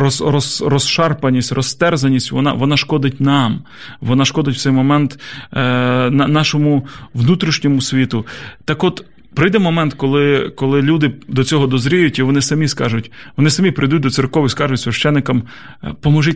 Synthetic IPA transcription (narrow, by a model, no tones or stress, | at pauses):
ɔsrɔsrɔsʃɑrpɐnʲːisʲtʲrɔst̪ɛrzɐnʲːisʲtʲʋɔ̰nɑ̰ʋɔnɑʃkɔd̪ɪtʲnɑm | ʋɔnɑʃkɔd̪ɪtʲw̥tsɛjmɔmɛnt̪ | nɑnɑʃɔmʊʋnut̪ɾʲiʃnʲɔmʊsʲʋʲit̪ʊt̪ɑkɔt̪ | pɾɪjd̪ɛmɔmɛnt̪kɔlˠɪkɔlˠɪlʲud̪ɪd̪ɔt͡sʲɔɦɔd̪ɔzɾʲijʊtʲiʋɔnɪsɐmʲiskɑʒʊtʲʋɔnɪsɐmʲipɾʔɪjd̪ut̚ʲd̪ɔtsɪrkɔʋiskɑʒʊtʲsʲʋʲɐʃt͡ʃɛnːɪkɐm | pɔmɔʒɪtʲ